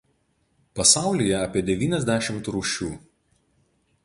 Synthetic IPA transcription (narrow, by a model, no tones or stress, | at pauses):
pɐsɑˑʊlʲijɛɐːpʲiɛd̪ʲɛʋʲiːnʲɛzʲd̪ʲæːʃʲɪmt̪ɾuːʃʲuː